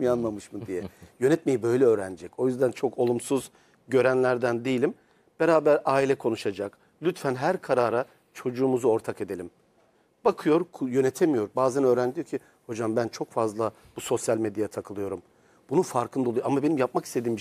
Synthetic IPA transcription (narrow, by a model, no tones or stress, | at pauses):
ianmamɯʃmɯd̪ijɛjø̞nɛt̪me̞jibø̞jlʲɛø̞ːɾænid͡ʒɛco̞jyzd̪ænt͡ʃʰo̞kʰo̞lˠumsuz | ɟø̞ɾænlʲæɾd̪ænd̪ijilʲim | b̥eɾaːbæɾaːilʲɛkʰo̞nuʃad͡ʒak | lʲyt̪fænɦæɾkʰaɾaːɾa | t͡ʃʰo̞d͡ʒuːmuzuo̞ɾt̪ʰake̞d̪e̞lʲim | b̥akʰɯjo̞ɾkʰjønɛt̪ʰemijo̞ɾbaːzænø̞ːɾænd̪ijocʰi | ho̞d͡ʒambænt͡ʃʰo̞kfazlˠa | b̥uso̞sjalʲmed̪jajt̪ʰakʰɯlˠɯjo̞ɾum | b̥unufaɾkʰɯnd̪oujamabe̞nimjap̚makist̪ʰe̞d̪iːm